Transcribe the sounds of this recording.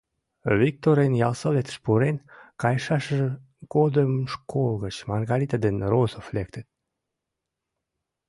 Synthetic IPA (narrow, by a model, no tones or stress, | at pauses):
vik̚t̪oɾenjɑlsəlet̪ʃpuɾenkɑjʃɑʃəʒ | ɡ̥od̪əmʃkʰolˠɣət͡ɕmɑrɣɑɾit̪ad̪enrozəflek̚t̪ət̪̚